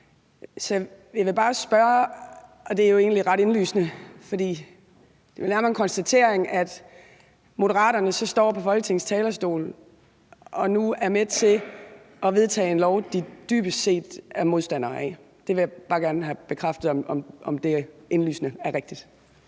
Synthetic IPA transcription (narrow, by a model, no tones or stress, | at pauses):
sɒ̽ | jɑʋe̝b̥ɑ̈ːsb̥ɶɐ | ɒ̽d̥e̝æɐjo̝e̝ːn̩liʁɑ̈ɾ̥e̝nly̰ːsnəfɒ̽d̥ḭː | d̥e̝ʋelnæɐmɐenŋkʰɒ̽nsd̥æt͡sʰe̝ɐeŋæd̥ | mo̝ɾəʁɑ̰̈ːdɐnəsɒ̽sd̥ɒ̰ːpʰɒ̽fɒ̽lɡət͡sʰe̝ŋ̩st͡sʰɛːlɐsd̥o̝̰ːl | ɒ̽nuæɐmedt͡sʰe̝ | ɒ̽ʋe̝ð̞ˠt͡sʰɛ̰ːenlɒʊd̥id̥yːb̥əse̝̰ːd̥æɐmo̝ð̞ˠsd̥æn̰ɐːɛ̰ | d̥e̝ʋe̝jɑb̥ɑ̈ːɡ̥æɐnəɦæb̥e̝kʰʁɑfd̥ð̞̩ˠɒmɒ̽mʔɒ̽md̥e̝e̝nly̰ːsnəæɐʁeɡ̥d̥id̥